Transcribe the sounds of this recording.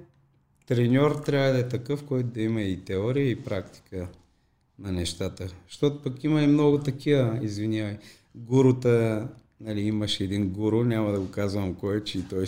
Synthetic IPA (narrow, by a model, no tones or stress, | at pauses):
t̪ɾɛnʲɔɾt̪ɾʲavəd̪ɐɛt̪ɐkɤfkɔjt̪ʊd̪ɐimɐit̪ɛɔɾijəipɾakt̪i̥kə | nɐnɛʃt̪at̪əʃt̪ɔt̪ʊpɐkimɐimnɔɡʊt̪ɐkivɐizvinʲjavɐj | ɡuɾʊt̪ə | nɐliiməʃɛɛd̪inɡuɾʊnʲamɐd̪ɐɡokazvɐmkɔjɛt͡ʃɛit̪ɔj